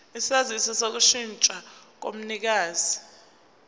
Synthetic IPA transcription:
isiazisɔsok̬uʃint͡ʃʼak̬o̰m̩nik̬aːzi

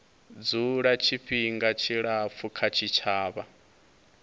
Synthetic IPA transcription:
d͡zuɺat͡ʃʰiɸiŋɡat͡ʃʰiɺap̪fʰukʰat͡ʃʰit͡ʃʰaːβa

